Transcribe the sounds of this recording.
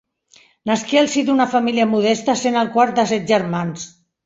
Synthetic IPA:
naskialˠsid̪unafamiliamuð̞ɛst̪əsenəlˠkwaɾt̪̚d̪əsɛt̪̚ʒəɾmans

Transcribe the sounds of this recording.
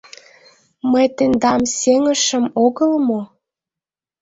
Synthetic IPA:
məjt̪end̪ɑmseŋə̆ʃə̆moɣəlmo

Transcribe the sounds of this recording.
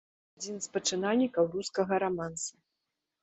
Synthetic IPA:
ad͡zʲinspɐt͡ʂɨnalʲnʲikɐwruskɐɣɐɾamansu

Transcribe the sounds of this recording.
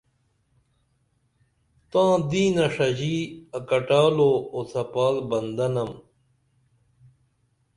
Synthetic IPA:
t̪ãːd̪iːnɐʂɐʑiːɐkɐʈaːloːot̪ʰɐpaːlbɐnd̪ɐnɐm

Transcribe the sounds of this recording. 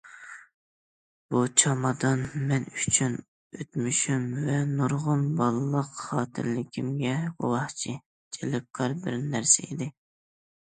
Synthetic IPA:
b̥ut͡ʃʰɑmɑd̪ɑnmɛnyt͡ʃʰyn | øt̪myʃymvɛnuɾʁʊnbɑlˠɨlˠəqχɑːt̪ʰɪ̰ɾlɪkʲʰimɡʲɛɡowɑht͡ʃʰi | d͡ʒelɪp̚kʰɑɾbɪɾnːæɾsɪḭd̪ɪ

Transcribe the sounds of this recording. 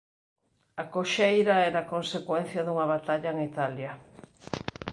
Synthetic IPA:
akoʃejɾɐɛɾaːkonsekwɛn̟θjɐðuŋɐβat̪aʎɐeŋit̪aljɐ

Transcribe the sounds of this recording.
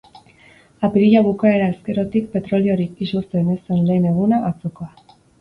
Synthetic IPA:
apiɾiʎaβ̞ukae̞ɾae̞ske̞ɾo̞t̪ik̚pe̞t̪ɾo̞lio̞ɾikisust̪enesenle̞ːne̞ɣ̞unaʔat͡sokoa

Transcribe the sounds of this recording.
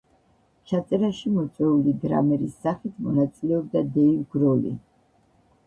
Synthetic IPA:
t͡ʃʰat̪sʼɛɾaʃimɔt̪sʼwɛulid̪ɾa̰mɛɾisːaχit̪ʰmɔnat̪sʼilɛɔb̚d̪ad̪ɛivɡɾɔlḭ

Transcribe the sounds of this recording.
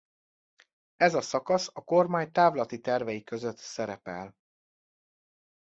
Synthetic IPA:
ɛzɒsɒkɒsɒko̞rmaːɲt̪aːvlɒt̪it̪ɛrvɛjikøzø̞t̪sɛɾɛpɛ̰l

